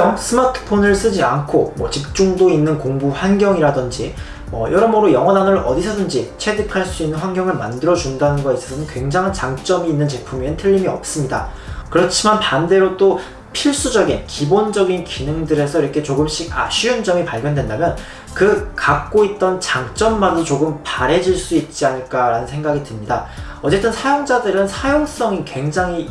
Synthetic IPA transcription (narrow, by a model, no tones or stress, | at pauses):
ʌsʰɯmatʰɯ̥pʰonɯɭs͈ɯd͡ʑiankʰomwʌ̰t͡ɕik̚t͡ɕ͈uŋdoinːɯnkoŋbuɸwanɡʲjʌŋiɾadɯnd͡ʑi | mʌ̰jʔʌɾʌmʌɾojʌŋʌnanoɾʔʌ̰disʰʌdɯnd͡ʑit͡ɕʰwedɯkʰaɭs͈uinːɯnɸwanɡjʌŋɯɭmandɯɾʌd͡ʑundanɯnɡʌes͈ʰʌsʰʌnɯnkwe̞ŋd͡ʑaŋɦant͡ɕaŋt͡ɕ͈ʌmiːnːɯnt͡ɕe̞pʰumintʰɯʎːimiʌ̰p̚s͈ɯmɲida̰ | kɯɾʌt͡ɕʰimanpande̞ɾod͈o | pʰiɭs͈ud͡ʑʌɡinkibond͡ʑʌɡinkinɯŋdɯɾe̞sʰʌiɾʌkʰe̞t͡ɕoɡɯmɕ͈iɡa̰ɕʰiɯnd͡ʑʌmipaɭɡjʌndwe̞ndamjʌn | kɯkak̚k͈oit̚t͈ʌnt͡ɕaŋt͡ɕ͈ʌmːaɲit͡ɕoɡɯmpaɾe̞d͡ʑiɭs͈uit̚t͡ɕ͈iaɲɯɭk͈aɾanɯnsʰeŋɡaɡidɯmɲida̰ | ʌt͡ɕ͈e̞t͈ɯnsʰajoŋd͡ʑadɯɾɯnsʰajoŋs͈ʌŋikwe̞ŋd͡ʑaŋi